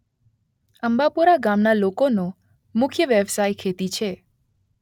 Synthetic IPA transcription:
əmbapuɾaɡamnalokono | mʊkʰjəʋjəʋsajkʰet̪it͡ʃʰe

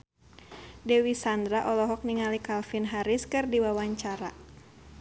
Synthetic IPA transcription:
dɛwisand̪ɾaʔɔlɔɦɔk̚niŋalikalfinɦaɾiskɨrdiwawaɲt͡ʃaɾa̰

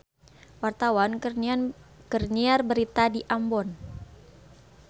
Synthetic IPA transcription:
wart̪awan | kərniarbəɾit̪adiʔambɔn

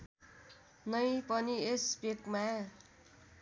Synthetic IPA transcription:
nʌjpʌniespekma

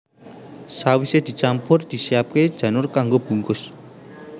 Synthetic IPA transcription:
sawised̪̥i̤t͡ʃampʊrd̪̥i̤sijap̚ked̥ʒ̥ä̤nʊrkaŋɡob̥ṳŋkʊs

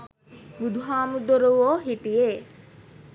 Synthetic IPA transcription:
bud̪ʱuɦaːmud̪oɾuʋoːɦiʈije

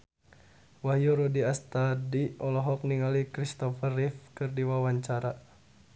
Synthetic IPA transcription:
waɦijuɾudiast̪adiʔɔlɔɦɔk̚niŋalikɾist̪ɔfərifkɨrdiwawaɲt͡ʃaɾa

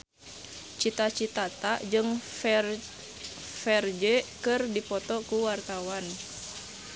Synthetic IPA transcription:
t͡ʃit̪at͡ʃit̪at̪ad͡ʒɨŋ | fɛrd͡ʒɛkɨrdipɔt̪ɔkuwart̪awan

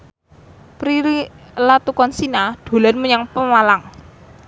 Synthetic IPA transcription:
pɾii | lat̪ukɔnsinaɖ̪̥o̤lanməɲaŋpəmalaŋ

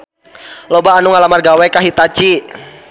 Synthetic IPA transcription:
lɔbaːnuŋalamarɡawɛkaɦit̪at͡ʃi

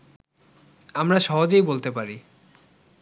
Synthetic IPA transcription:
amɾaʃɔɦod͡ʑejbolt̪epaɾi

